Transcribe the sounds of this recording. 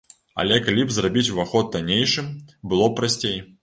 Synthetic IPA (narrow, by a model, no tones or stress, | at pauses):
ɐ̰lʲɛkalʲibzrabʲit͡sʲuvaxɔd̪̚d̪anʲejʂɨmbɨlˠɔpɾasʲt͡sʲej